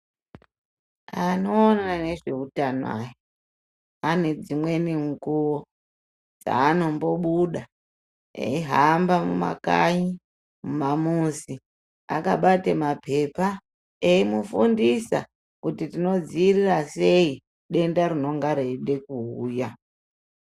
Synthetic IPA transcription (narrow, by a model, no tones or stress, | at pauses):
ano̞ːnane̞ʐe̞utanwa̰jo | ane̞d͡zimwe̞niŋɡuwo | d͡za̰ːno̞mbo̞ɓuɗa | ḛiɦambamuma̰ka̰ɲi | mumamusi | akaɓatemapʰe̞pa | eimufundisa̰ | kutitino̞d͡ziːrirase̞i | ɗe̞ndaɾino̞ŋɡaɾeɗe̞kuuːja